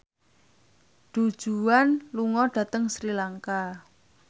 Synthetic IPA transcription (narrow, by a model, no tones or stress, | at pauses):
ɖ̥ṳd̥ʒ̥uanluŋɔɖ̥ä̤t̪əŋsɾilaŋka